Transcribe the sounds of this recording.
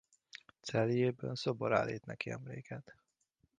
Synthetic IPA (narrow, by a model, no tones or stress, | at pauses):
t̪sɛlijeːbɛnsoboɾa̰ːlːiːt̪nɛkiɛmleːkɛt̪